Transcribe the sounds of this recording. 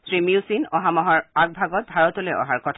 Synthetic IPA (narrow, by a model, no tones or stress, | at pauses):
sɹimiʊsinɔɦamɔɦɔɹaɡ̚bʱaɡɔt̚bʱaɹɔtolejɔ̰ɦaɹkɔtʰ